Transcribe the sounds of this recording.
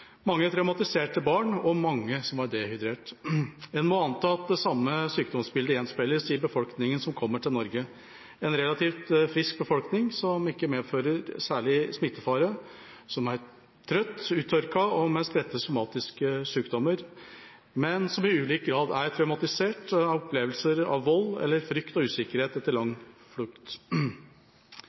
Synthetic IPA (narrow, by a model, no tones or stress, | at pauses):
mɑŋːəæʈ̪ʰɾaʉmɑt̪ɪseːʈəbɑːɳɔmɑŋːəsɔmɑd̪eːhʏd̪ɾeːʈ | ɛnmɔɑnt̪ʰɑːɑt̪̚d̪ɛsɑmːəsyːkd̪ɔmsbɪld̪əɾjɛnspɛlːəsɪbəfɔlknɪŋənsɔmkʰɔmːəʈʰɪlnɔɾɡə | ɛnɾɛlɑt̪ʰiːft̪fɾɪsk̚bəfɔlknɪŋsɔmɪkːəmeːd̪føːɾəɾsæːɭɪsmɪt̪ːəfɑːɾə | sɔmæɾ | t̪ʰɾœt̪ːʉːt̪ʰœɾkɑɔmɛstɾɛt̪ːəsʊmɑːt̪ɪskəsyːkd̪ɔməɾ | mɛnsɔmɪʉːliːk̚ɡɾɑːd̪æɾt̪ʰɾæʉmɑt̪ɪseːʈɑɔpʰleːʋəlsəɾɑ̰ʋːɔlːɛ̰lːəɾfɾʏkt̪ɔʉːsɪkəɾheːt̪ɛt̪ːəɾlɑŋflʉkt̪